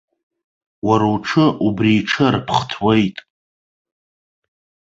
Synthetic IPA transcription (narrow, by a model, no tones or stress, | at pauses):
waɾowʈ͡ʂʰɨʔubriːʈ͡ʂʰɨrpʰχtʰwejtʼ